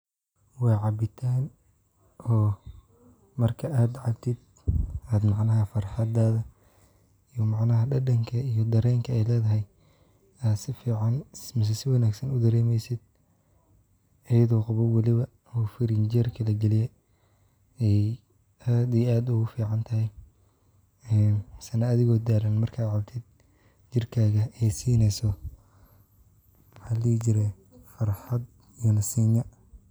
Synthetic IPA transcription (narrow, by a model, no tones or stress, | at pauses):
wɑːʕɑbɪt̪ʰaːn | ɔː | mɐrkʰɐʔaːd̪ʕɑb̚t̪ʰɪd̪ | aːd̪mɑʕnɐɦɐfɐrħɑd̪aːðɐ | ijɔmɑʕnɐɦɐɖɐɖɐŋkʰɐijɔd̪ɐɾɛːŋkʰɐɛjlɛːðɐɦɛj | aːd̪sɪfiːʕɑnmɪs̬ɛsɪwɑnaːɡsɐnʊd̪ɐɾɛːmɛjsɪd̪̚ | ɐjɐðɔːqʊβɐwɐlɪβɐ | huːfɪɾɪnd͡ʒɛrkʰɐlɐɡɛlɪjɛ | ɛj | aːd̪iaːd̪ʊɣʊfiːʕɑnt̪ʰɐɦɛj | ɛːnsɐnɐːðɪɣɔːd̪aːɾɐnmɐrkʰaːʕɑbt̪ʰɪd̪̥̚ | t͡ʃɪrkʰaːɣɐɛjsiːnɛjsɔ | ħaliːt͡ʃɪɾɛ | fɐrħɑd̪ | iɔnɐsiːnɐ